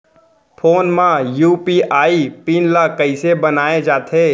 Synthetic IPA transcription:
pʰoːnmãjuːpiʔaːipiːnlakɐɪsebɐnaːed͡ʒaːt̪ʰeː

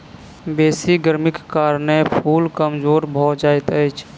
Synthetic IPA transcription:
beːsiɡəɾmɪkːaːɾnepʰuːlkəmd͡ʒoːɾbʱɔd͡ʒaːɪt̪əjt͡ʃʰ

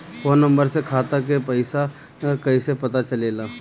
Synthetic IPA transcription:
foːnə̃mbəɾsekʰaːt̪ak̬epəɪsa | kɐisepɐt̪at͡ʃɐleːlaː

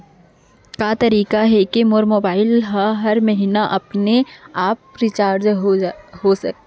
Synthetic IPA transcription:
kat̪ɐɾiːkaɦɛkemoːɾmoːbaːɪlɦaɦɐɾmɐɦiːnaʔɐpneaːpɾɪt͡ʃaːɾd͡ʒ | ɦosɐk̪̚ː

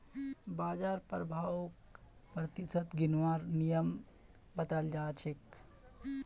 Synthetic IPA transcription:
baːd͡ʒaːɾpəɾbʱaːʊk | pɾət̪ɪsət̪ɡɪnʋaːɾnijəm | bɐt̪əld͡ʒaːt͡ʃʰɪk

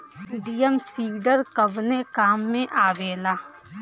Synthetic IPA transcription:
ɖijəmsiːɖəɾkəbnekaːmːẽʔaːʋeːlaː

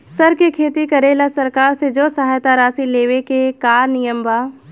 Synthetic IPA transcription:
sɐɾkekʰeːt̪ikɐɾeːlasɐɾkaːɾsed͡ʒoːsɐɦaːjt̪aɾaːsileːʋekekaːɾnɪjəmbaː

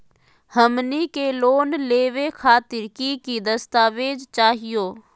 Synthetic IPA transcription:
həmnikeloːnleːʋekʰaːt̪ɪɾkikid̪əst̪aːʋeːd͡ʒt͡ʃaːɦijoː

